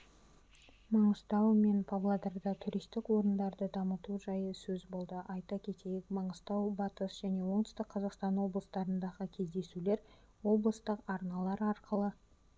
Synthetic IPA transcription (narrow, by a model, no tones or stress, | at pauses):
mɑɴəst̪ɑwme̞npʰavlˠad̪ɑɾd̪ɑt̪ʰʊɾist̪ɪkwo̞ɾənd̪ɑɾd̪əd̪ɑmət̪uʒɑjəsɵzbo̞lˠd̪əʔɑjt̪ɑkʲʰe̞t̪e̞jɪkmɑɴəst̪ɑwbɑt̪əsʒ̥æne̞wo̞ɴd̪ɪ̥st̪ɪk̚qʰɑzɑqst̪ɑnwo̞blˠəst̪ɑɾənd̪ɑʁəkʲʰe̞zd̪e̞sule̞ɾ | wo̞blˠəst̪əqɑɾnɑlˠɑɾɑɾqʰəlˠə